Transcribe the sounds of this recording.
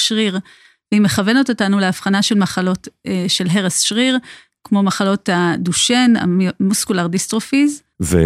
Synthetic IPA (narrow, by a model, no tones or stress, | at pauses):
ʃʁiʁ | veime̞χave̞nototanuleafχanaʃe̞lmaχalo̞tʃe̞lɦe̞ʁesʃʁiʁ | kmo̞maχalo̞taduʃena̰muskulaʁdistʁofiz | vḛ